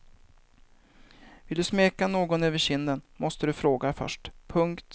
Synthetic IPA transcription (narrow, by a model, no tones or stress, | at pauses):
vɪld̪ɵsmeːkanoːɡɔnøːvəɕɪnd̪ənmɔst̪əd̪ɵfɾoːɡafœ̰ʂʈpʰɵŋkt̪